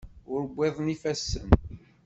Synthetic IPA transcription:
ʊɾbʷːɪðˤnifæsːən

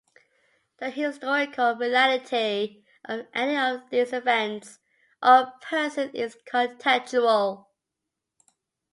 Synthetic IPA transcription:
ðəhɪstɔɹɪkʰəlˠɹɪlælɪtʰi | ʔʌvʔɛniəvðizɪvɛ̃nts | ʔəpʰɜˑ˞sə̃nɪz̥kʰə̃ntʰɛt͡ʃuəlˠ

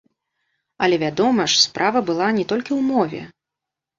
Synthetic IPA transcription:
ɐlʲɛvʲad̪ɔmɐʂspɾʔavɐbɨlˠanʲɛt̪ɔlʲkʲiwmɔvʲɛ̰

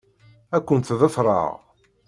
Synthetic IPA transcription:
ækʷːənt̪ðæθɾˤɑ̰ʁ

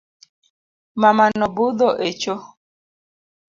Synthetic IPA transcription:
mamanɔbud̪ɔʔet͡ʃo

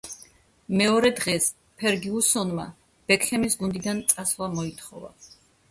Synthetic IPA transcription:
mɛɔɾɛd̪ʁɛs | pʰɛɾɡiusɔnma | b̥ɛkʰχɛmisɡund̪id̪ant̪sʼasvlˠamɔit̪ʰχɔ̰va̰

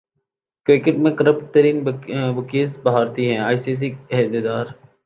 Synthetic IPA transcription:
kɾɪkɪʈmẽkɐɾəp̚ʈ̚t̪əɾiːnbɐkiːzbɐɦaːɾt̪iɦɛ̃aːɪsiːs̬iɛd̪ed̪aːɾ

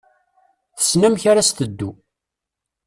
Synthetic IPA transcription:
θə̥snæmçaɾast̪əd̪ːu

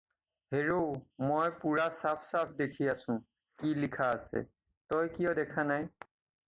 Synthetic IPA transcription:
heɹomojpuɹasapʰsapʰdekʰijasʊ̃ | kilikʰaːsɛ̰ | tɔjkijɔdɛkʰanaj

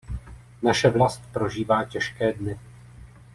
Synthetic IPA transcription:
naʃɛvlast̪̚pɾo̞ʒiːvaːcɛʃkɛːdnɪ

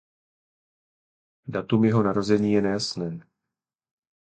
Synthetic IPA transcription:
dat̪umjɛɦo̞naɾo̞zɛɲiːjɛnɛjasnɛː

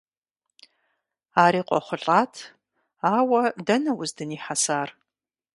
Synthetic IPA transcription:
aːɾiːqʷʼɔ̰χʷʊɬʼaːtʰ | aːwɐdɐnɐwʊzdɨniːħasaːr

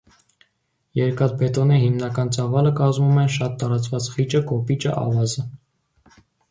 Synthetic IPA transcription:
jɛɾkɑt̪̚bɛt̪ɔnəɦimnɑkɑnt͡sɑvɑləkɑzmumɛnʃɑt̪ːɑɾɑt͡svɑt͡sχit͡ʃəkɔpit͡ʃə̰ʔɑ̰vɑzə

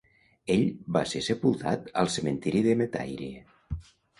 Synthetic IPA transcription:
eʎbasesəpulˠt̪a̰t̪əlˠsəmənt̪iɾiðəmet̪a̰jɾḭ

